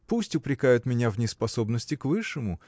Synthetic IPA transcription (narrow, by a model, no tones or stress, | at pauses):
pusʲtʲʊpɾʲɪkajʊt̪mʲɪnʲavnʲɪspɐso̞bnəsʲtʲɪkvɨʂɨmʊ